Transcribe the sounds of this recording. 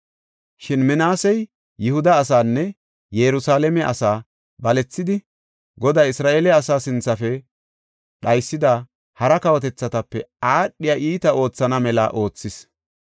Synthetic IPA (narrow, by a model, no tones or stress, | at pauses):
ʃɪnmɛnaːsɛj | jɪhʊd̪ɐːsaːnːɛ | jɛɾʊsaːlɛmɛʔɐ̰saː | bɐlɛt͡sːɪd̪ɪ | ɡɔd̪aːjɪsɾaːʔeːlɛɐsaːsɪnt͡sːɐfɛ | ɗɐjsːɪd̪a | hɐɾɐkɐwɔt̪ɛt͡sːɐt̪ɐpːɛaːɗːɪjaːʔiːt̪ɐo̞ːt͡sːɐnɐmɛlɐ̰ʔo̞ːt͡sːɪs